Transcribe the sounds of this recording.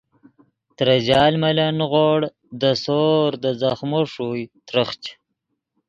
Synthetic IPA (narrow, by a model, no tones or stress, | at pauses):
t̪ɾad͡ʑɑːlmalanɣoɽ | d̪əsoːɾd̪əzaxmoʂujt̪ɾəχt͡ʃ